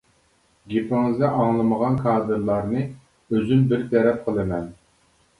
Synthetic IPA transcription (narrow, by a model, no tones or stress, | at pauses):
ɡʲepɪŋɨzd̪ɛʔɑŋlˠɨməʁɑnkʰɑːd̪ɨɾlˠɑɾnɨ | øzynbɪɾt̪ʰɛɾɛp̚qʰəlˠɨmɛn